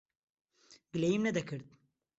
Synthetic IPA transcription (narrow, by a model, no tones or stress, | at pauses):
ɡlʲejimnɛd̪ɛkʰɯɾd̪